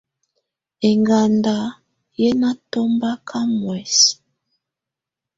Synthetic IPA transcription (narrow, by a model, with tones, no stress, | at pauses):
e˨ŋɡa˨nda˨ | jɛ˦na˦to˦mba˦kʰa˦mwɛ˨s